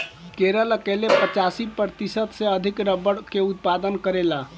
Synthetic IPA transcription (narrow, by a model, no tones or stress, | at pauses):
keɾəlkelepət͡ʃasipɾt̪isət̪seəd̪ʱikɾəbəɽkeut̪̚pad̪ənkəɾela